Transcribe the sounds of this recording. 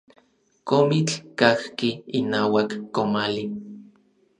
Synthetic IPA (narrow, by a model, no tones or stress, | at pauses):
komit͡ɬkahkiːnaːwakːomali